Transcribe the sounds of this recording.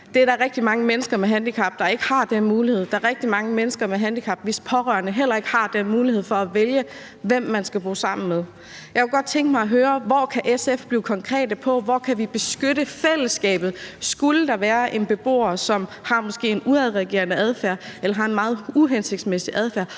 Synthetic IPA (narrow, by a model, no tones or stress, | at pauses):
d̥e̝ɐɾɑʁɛɡ̥̚d̥imɑ̈ŋəmenəsɡ̥ɐmeɦænd̥ikʰɑ̈b̥̚d̥ɑ̈e̝ɡ̥ə̥hɑ̈d̥enmuːlihe̝ð̞̰ˠd̥ɑ̈ʁɛɡ̥̚d̥imɑ̈ŋəmenəsɡ̥ɐmeɦænd̥ikʰɑ̈b̥ʋespʰɒ̽ʁɶɐnəɦel̰ɐe̝ɡ̥hɑ̈d̥enmuːlihe̝ð̞̰ˠfɒ̽æʋeljə | ʋem̰ːænsɡ̥æb̥o̝̰ːsɑ̈m̰n̩meðˠ | jɑɪkʰeɡɒ̽d̥̚t͡sʰeŋɡ̥əmɑɪɒɦøːɐʋɒkʰæʔesefb̥liːʊkʰɒ̽ŋkʰʁɛ̰ːd̥əpʰɒ̽ʋɒkʰæʋib̥e̝sɡ̥øɾəfel̰əsɡ̥ɛ̰ːb̥ð̩ˠsɡ̥uləd̥ɑ̈ʋæːɐʔe̝nb̥e̝b̥o̝̰ːɐsɒ̽mhɑ̈mɔ̽sɡ̥e̝̰ːe̝nuæðˠʁɛɡ̥e̝̰ːɐnəæð̞ˠfæɐ̰elɐɦɑ̈e̝nmɑ̈ːð̞̩ˠuɦense̝ɡ̥̚d̥smesiʔæð̞ˠfæɐ̰